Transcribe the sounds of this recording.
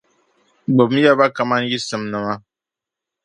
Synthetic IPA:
ɡ͡bo˨bm̩˦ja˦ba˦ka˨ma˦n˦ji˦sɨ˨mnɨ˨ma˦

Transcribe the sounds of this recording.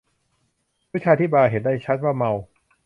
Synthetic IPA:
pʰu˦˥˩t͡ɕʰaː˧t̪ʰiː˦˥˩baː˧jɦe˨˩˦ndaː˥˩jt͡ɕʰa˦˥t̪̚waː˥˩ma˧w

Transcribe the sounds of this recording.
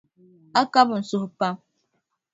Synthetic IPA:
a˦ka˦bn̩˨so˨hpa˦m

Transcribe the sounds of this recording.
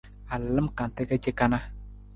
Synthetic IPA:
a˨llə˦mka˨n˨te˦ka˦d͡ʒe˦ka˦na˦

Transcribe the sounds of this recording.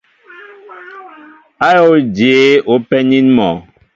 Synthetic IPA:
a˦jo˦d͡ʒe˨˦o˨˦pɛ˦ni˦nmɔ˨

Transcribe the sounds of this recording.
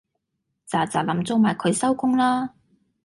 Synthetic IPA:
t͡saː˨t͡saː˨˩lɐ˨˥mt͡so˧wmaː˨˩jkʰɵ˨˧ɥsɐ˥wkʊ˥ŋlaː˥

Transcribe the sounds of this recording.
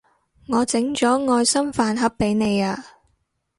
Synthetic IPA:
ŋɔː˨˧t͡sɪ˨˥ŋt͡sɔː˨˥ŋɔː˧jsɐ˥mfaː˧nɦɐ˨˥p̚ːe˨˥jne˨˧jaː˧

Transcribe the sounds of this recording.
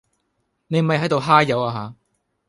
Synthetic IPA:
ne˨˧jm̩˨ɐ˨jɦɐ˨˥jt̪o˨˧wɦaː˥jɐ˨˧waː˧ɦaː˨˦

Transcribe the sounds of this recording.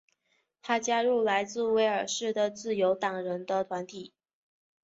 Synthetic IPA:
t̪ʰa˥t͡ɕja˥ɻu˥˩la˧˥ɪt͡sɹ̩˥˩we˧˥ɪə˞˨˩ʂɻ̩˥˩d̪ə˩t͡sɹ̩˥˩jo˧˥ʊt̪ɑ˨˩ŋɻə˧˥nd̪ə˧t̪ʰwa˧˥nt̪ʰi˨˩˦

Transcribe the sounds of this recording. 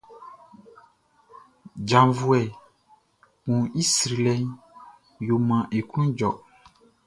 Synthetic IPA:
d͡ʒã˨vu˨˦ɛ˨ | kũ˨i˦sɾi˨lɛ˦n | jo˨mã˨ʔe˨kũ˦d͡ʒɔ̰˨

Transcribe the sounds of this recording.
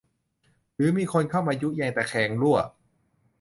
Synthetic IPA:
ɾɯː˨˦miː˧kʰo˧nkʰa˥˩wmaː˧ju˦˥ʔjɛː˧ŋt̪ɛː˨˩kʰɛː˧ŋlu˥˩ɐ˩

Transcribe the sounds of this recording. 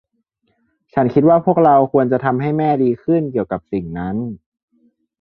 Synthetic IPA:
t͡ɕʰa˦˥nkʰi˦t̪̚waː˥˩pʰu˥˩ək̚ɾa˧wkʰu˧ənt͡ɕa˨˩t̪ʰa˧mɦa˥˩jmɛː˥˩diː˧kʰɯ˥˩nki˨˩əwka˨˩p̚si˨˩ŋna˦˥n

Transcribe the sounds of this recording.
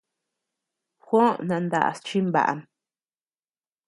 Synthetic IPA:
xʷõ˦nã˧nd̪a̰˧˨ʔa̰˨st͡ʃi˦mba̰˨ʔa̰˨m

